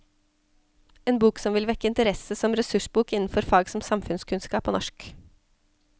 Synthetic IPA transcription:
eːnbuːksɔmʋɪlʋɛkːəɪnt̪əɾɛsəsɔmɾɛsʉʂbuːkɪnn̩fɔɾfɑːɡsɔmsɑmfʉnskʰʉnskɑːpoːnɔʃk

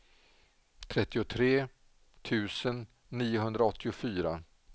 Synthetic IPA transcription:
t̪ʰɾɛt̪ːɪʊt̪ʰɾeː | t̪ʰʉ̟ːsənː | iːʊɦɵnd̪ɾaɔt̪ʰːɪʊfyːɾa

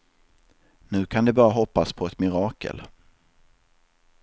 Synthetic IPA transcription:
nʉ̟ːkʰand̪ɛbɑːɾaɦɔpːaspʰɔɛt̪mɪɾɑːkə̰l

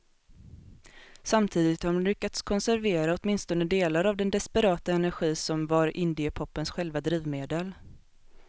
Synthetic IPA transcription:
samt̪ʰiːd̪ɪt̪hɔmnlʏkːat̪skʰɔnsæɾveːɾaɔt̪mɪnst̪ɔnəd̪eːlaɾavd̪ɛnd̪ɛspɛɾɑːt̪aɛnæɾɧiːsɔmvaɾʔɪnd̪ɪəpʰɔpːənsɧɛlvad̪ɾiːvmeːd̪əl

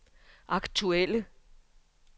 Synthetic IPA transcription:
ʔɑ̈ɡ̥t͡sʰuelə

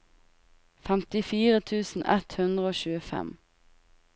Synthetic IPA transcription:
fæmt̪ɪfiːʁət̪ʰʉːsn̩ʔɛt̪hʉnd̪ʁəoːʃʉːəfɛ̰m

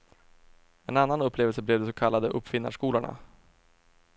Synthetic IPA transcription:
ɛnanːanɵpːleːvəlsəblɛːvd̪ɛsɔkʰalːad̪əʔɵpːfɪnːa̰ʂkuːlaɳa̰

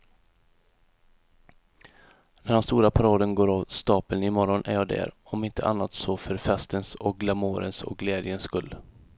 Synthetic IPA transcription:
næɖɛnst̪uːɾapʰaɾɑːd̪ənɡoːɾavst̪ɑːpəlnɪmɔɾɔnʔæɾjɑːd̪ɛ̰ɾɔmɪnt̪ʰə̰ʔa̰nːat̪sɔfœɾfɛst̪ənsɔk̚ɡlamoːɾə̰nsɔ̰k̚ɡlɛːd̪jənskɵlː

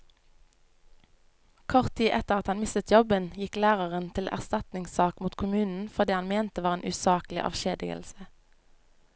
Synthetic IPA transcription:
kʰɔʁt̪ʰiːʔɛt̪əʁɑt̪hɑnmɪst̪ət̪jɔbənjɪklæːʁəʁənt̪ʰɪlʔæ̰ʁst̪ɑt̪nɪŋsɑːkmuːt̪kʰʊmʉːnn̩fɔʁd̪iːhɑnmeːnt̪əʋɑːʁeːnʔʉsɑːklɪ̰ʔɑ̰ʋʃeːd̪ɪ̰ɡə̰lsə

